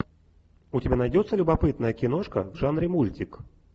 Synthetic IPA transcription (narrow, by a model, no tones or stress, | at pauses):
utʲabʲɛnajdʲɔt̪sːɐlʲubapɨt̪̚nɐjɐkʲinɔʂkɐ̰ɡʐanɾɨmulʲtʲik